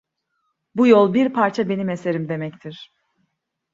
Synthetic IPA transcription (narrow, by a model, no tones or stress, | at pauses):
bujolˠbiɾpʰaɾt͡ʃʰabe̞nime̞se̞ɾimd̪e̞mɛct̪ʰiɾ̥